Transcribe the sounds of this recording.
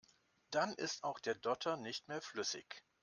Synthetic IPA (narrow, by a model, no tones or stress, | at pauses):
d̥anʔɪ̰staʊxd̥eːɐdɔtʰɐnɪçtmeːɐflʏsɪ̰ç